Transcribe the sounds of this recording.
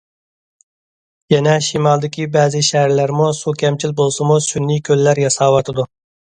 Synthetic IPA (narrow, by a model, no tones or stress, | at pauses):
jɛnɛʃimɑlˠd̪ɪkʲibɛːzɪʃæɦæɾlæɾmusukʲɛmt͡ʃʰilbolˠsɨmusynːikʲʰølːæɾjɑsɑːwɑt̪ʰɨd̪u